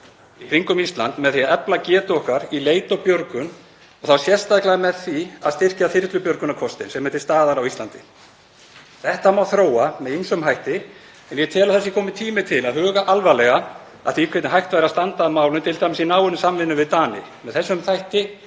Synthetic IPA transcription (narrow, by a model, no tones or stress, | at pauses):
ikɾiŋkʏmist̪la̰nt̪mɛðθijaɛplacɛːt̪owhkaɾileːjt̪ɔpjœɾkʏn | ɔɣθawsjɛr̥st̪ajklaɣamɛðθiaðst̪ɪr̥caθɪɾt̪lʏpjœɾkʏnakʰɔst̪ɪ̰nsɛmːœːt̪ɪst̪aːðaɾawist̪ant̪ɪ | θɛht̪amawθɾoːwamɛðinsɔʏmɦajht̪ɪ | ɛnjɛt̪ʰɛːlaθɛsːɪkʰɔːmɪt̪ʰiːmɪt̪ʰɪlaðɦʏːɣaʔalvalɛɣa | a̰θikʰvɛt̪nɪɦajht̪vajɾast̪ant̪aðmaːwlʏnt̪ʰɪlt̪ʰajmɪsinaːwʏnɪsamːɪnːʏvɪðt̪aːnɪ̰mɛðθɛsːʏmθajht̪ɪ